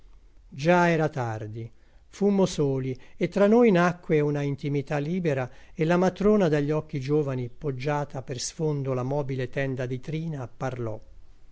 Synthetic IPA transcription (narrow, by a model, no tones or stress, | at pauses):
d͡ʒaɛːɾat̪ard̪i | fumːosoːliet̪ːɾanːojnakːweunaint̪imit̪alːiːbeɾaelːamat̪ɾoːnad̪aʎːɔkːid͡ʒoːvanipod͡ʒːaːt̪apersfond̪olamɔːbilet̪ɛnd̪ad̪it̪ɾiːnaparlɔ̰